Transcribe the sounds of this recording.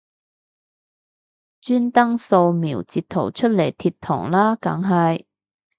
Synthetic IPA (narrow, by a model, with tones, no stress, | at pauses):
t͡ʃyː˥nt̪ɐ˥ŋso˧wmiː˨˩wt͡siː˧t̪̚ʰːo̰˨˩wt͡ʃʰɵ˥t̚le˨˩jt̪ʰiː˧tt̪ʰɔ̰ː˨˩ŋlaː˥kɐ̰˨˥ŋɦɐ˨j